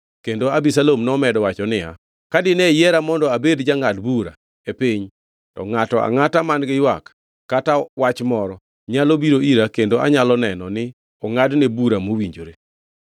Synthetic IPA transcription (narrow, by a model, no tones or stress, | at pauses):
kendoabisalomnɔmɛdɔwat͡ʃɔnɪja̰ | kadɪnɛjɛɾamɔndɔabedd͡ʒaŋadbuɾa̰ | epiɲ | tɔ̰ŋatɔʔa̰ŋatamanɡɪjwak | kːatawat͡ʃmɔɾɔ | ɲalobiɾoiɾakendoʔa̰ɲalɔnɛnɔnɪ | ɔŋadnebuɾamowiɲd͡ʒoɾe